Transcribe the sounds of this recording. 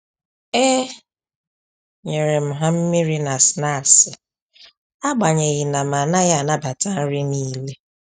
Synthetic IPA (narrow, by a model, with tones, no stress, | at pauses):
e˦ | ɲe˨ɾe˨m̩˨ɦa˦m̩˦mɪ˦ɾi˦na˨sna˦˨sɪ˨ | a˦ɡ͡ba˨ɲe˨ɣɪ˨na˨ma˨na˦ja˦˨na˦ba˨ta˦n̩˦ɾɪ˦niː˦le˦